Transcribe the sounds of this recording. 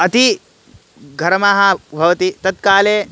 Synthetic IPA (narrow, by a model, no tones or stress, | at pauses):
ɐt̪ʰi | ɡʱɐɾɐmaːɦɐbʱɐʋɐt̪it̪ɐt̪̚kaːleː